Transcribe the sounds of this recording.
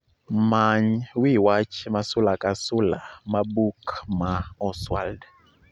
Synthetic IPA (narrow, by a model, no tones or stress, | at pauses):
maɲwiwat͡ʃʰimasulakʼasulamabukmaɔswa̰ld